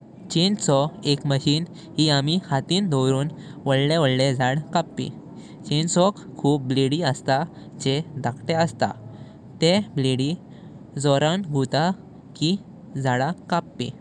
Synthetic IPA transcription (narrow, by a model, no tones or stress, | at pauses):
t͡ɕint͡sɔekməɕiːn | ɦiamihat̪iːnd̪ʱɔɾuːnʋəɭlẽʋəɽled͡zʱaɽkapːḭ | t͡ɕinsɔkkʰːuːp̚bliɽiəst̪a | d͡ʑed̪ʱakʰʈeəst̪a̰ | t̪ebliɽi | d͡zɔɾãnɡʱut̪a | ki | d͡zʱaɽakapːḭ